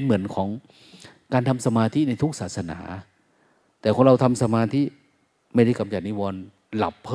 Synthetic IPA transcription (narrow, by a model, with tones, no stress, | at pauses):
nmɯ˩˦ənkʰɔː˩˦ŋ | kaː˧nt̪ʰa˧msa˧maː˧t̪ʰi˦˥˩na˧jt̪ʰu˦˥k̚saː˨˩t̪sa˧na̰ː˩˦ | t̪ɛː˨˩kʰo˧ŋɾa˧wt̪ʰa˧msa˧maː˧t̪ʰi˦˥˩ | ma˥˩jda˥˩jka˧mt͡ɕa˨˩niː˦˥˩wɔː˧n | la̰˨˩pʰː